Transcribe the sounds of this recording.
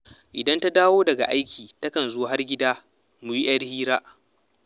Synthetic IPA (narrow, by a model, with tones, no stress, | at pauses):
ʔɪ˨dɐ˦nta˦daː˦woː˦dɐ˨ɡa̰˨ʔa˦jkʲʰiː˨tɐ˦kɐ˨nzʊ˦wɦa˦rɡʲɪ˦daː˦ | mu˨ji˦ʔɐ˦rhiː˦ɾaː˦